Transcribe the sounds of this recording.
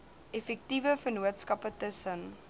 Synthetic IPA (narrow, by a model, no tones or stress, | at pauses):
ɛfɛk̚tivəfərnuətskɐpətəsən